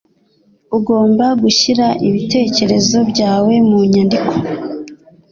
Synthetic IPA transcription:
uɡo̞ːmbaɡuçiɾaʔiβite̞ːce̞ɾe̞zo̞bɟaːwe̞muɲandikʰo

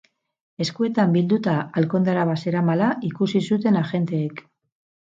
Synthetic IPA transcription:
e̞skue̞t̪ambild̪ut̪aalko̞nd̪aɾaβase̞ɾamalaʔikusisut̪̬e̞naxe̞nt̪e̞ːk

